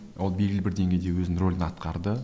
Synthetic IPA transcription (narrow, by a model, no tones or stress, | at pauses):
wolˠbe̞lɡʲɪlɪbɪɾd̪e̞ŋɡʲejd̪e̞wɵzɪnro̞lʲɪnɑt̪qʰɑɾd̪ə